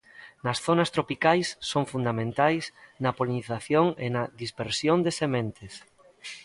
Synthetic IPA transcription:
nɐsθonɐst̪ɾopikajsːoŋfund̪amẽnt̪ajsnɐpoliniθaθjoŋenɐðispeɾsjond̪esemẽnt̪es

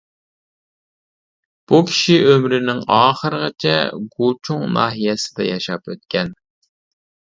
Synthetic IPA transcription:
b̥ukʲʰi̥ʃiʔømɾɪnɪŋɑːχəɾəʁət͡ʃʰɛ̰ɡut͡ʃʰuŋnɑ̰ːɦijɛsɪ̥d̪ɛjɑʃɑpøt̪̚kʲʰɛn

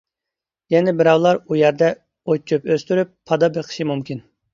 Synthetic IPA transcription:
jɛnɛbɪɾɑwlˠɑɾujɛɾd̪ɛ | ot͡ʃʰːypøst̪yɾypʰːɑd̪ɑbeqʰə̥ʃimumkʲin

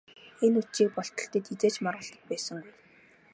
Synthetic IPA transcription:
enut͡ɕiːk̚pɔɬt̪ɞ̆ɬt̪ə̆t̪it͡seːt͡ɕmɔrʁə̆ɮt̪ə̆t̪̚pæːsə̆ŋɡuj

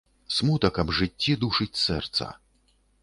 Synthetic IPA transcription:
smut̪ɐkɐbʐɨt͡sʲːid̪uʂɨt͡sʲsɛrt̪sɐ̰

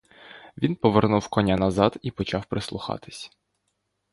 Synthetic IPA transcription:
ʋʲinpɔʋernuwkɔnʲanɐzɑd̪ipɔt͡ʃɑwpɾɪslˠʊxɑ̰t̪ɪ̥sʲ

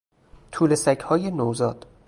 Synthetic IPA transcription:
t̪ʰuːlesæcʰhɒːje̞nowzɒːd̪̥

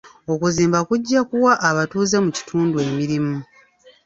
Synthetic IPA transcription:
o̞kuziːmbakuɟːakuwaʔːβatuːze̞muci̥tʰuːndue̞ːmiɾimu

